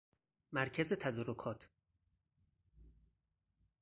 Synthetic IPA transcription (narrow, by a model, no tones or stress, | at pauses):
mæɾcʰæzet̪ʰæd̪ɔɾokʰɒːt̪ʰ